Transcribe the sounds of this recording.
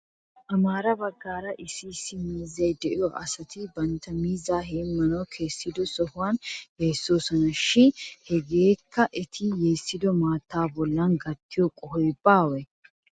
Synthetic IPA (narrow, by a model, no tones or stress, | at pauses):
ʔɐmaːɾɐbɐɡːaːɾɐʔɪsiːsɪmiːzːɐjd̪ɛʔɪjɔʔɐsɐt̪ɪbɐnt̪ɐmiːzaːɦeːmɐnɐwkʰe̞ːsːɪd̪ɔsɔhʊwaːnheːsːoːsɐnɐʃːɪnhɛɡeːkʰːɐʔɛt̪ʰɪje̞ːsːɪd̪ɔmaːt̪ːaːbɔlːanɡɐt̪ːɪjɔkʼɔɦɔjbaːwɛ